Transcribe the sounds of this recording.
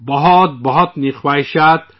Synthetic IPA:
bɔɦɔt̪̚bɔɦɔt̪nixwajʃat̪̚

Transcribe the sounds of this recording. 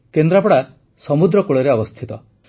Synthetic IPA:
kend̪ɾapɔɽa | sɔmud̪ɾɔkuɭɔɾeɔbɔst̪ʰit̪ɔ

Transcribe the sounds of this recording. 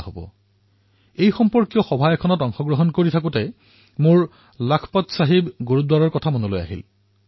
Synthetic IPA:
ɦobɔ̰ | ejxɔmpɔɹkijɔxɔbʱajɛkʰɔnɔtɔŋxɔɡɹɔɦɔnkoɹitʰak̬ʊtɛ | mʊɹ | lakʰpɔtsaɦibɡoɹudwaɹɔɹkɔtʰamonoloja̰ɦḭl

